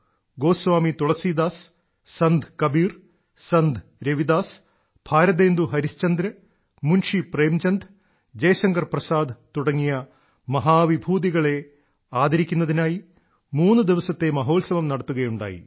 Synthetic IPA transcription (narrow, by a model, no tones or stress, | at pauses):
ɡo̞ːsʋaːmit̪uɭɐsiːd̪aːsː | ɐnd̪ʱkɐbiːr | sɐnd̪ɾɐʋid̪aːs | b̥ʱaːɾɐd̪eːnd̪uɦɐɾist͡ɕɐnd̪ɾɐ | munʂipreːmt͡ɕɐnd̪ʱ | d͡ʑɐjʂɐŋɡɐrprɐsaːd̪t̪uɽɐŋːijɐ | mɐɦaːʋibʱuːd̪iɣɐɭe̞ | aːd̪ɐɾikʲːunːɐðinaːji | muːnːud̪iʋɐsɐt̪ːe̞mɐɦo̞ːlsɐʋɐmnɐɽɐt̪ːuɣɐjuɳɖa̰ːjḭ